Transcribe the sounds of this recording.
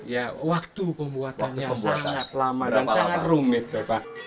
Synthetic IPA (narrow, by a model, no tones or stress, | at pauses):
jawak̚t̪upəmbuatnɲasaŋat̪lamadansaŋat̪rumɪb̥apa